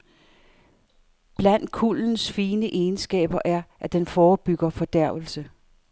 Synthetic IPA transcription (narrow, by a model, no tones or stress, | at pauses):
b̥læn̰d̥̚kʰuln̩sfiːnəʔeːnsɡ̥ɛ̰ːb̥ɐʔæɐʔæd̥enfɒːb̥yɡ̥ɐfɒ̽d̥æɐ̰ʋl̩sə